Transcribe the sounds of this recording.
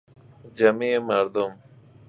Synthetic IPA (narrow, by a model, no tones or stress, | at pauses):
d͡ʑɐmemɐɾd̪um